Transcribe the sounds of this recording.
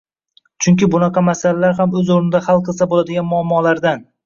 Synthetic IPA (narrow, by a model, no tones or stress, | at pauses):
t͡ʃʰʊŋkʲɪbʊnɑqʰɑmasalalaɾhamɵzoɾnɪd̪aχɑlˠqʰɨlˠsabolad̪ɪɡʲanmʊamːɒlaɾd̪an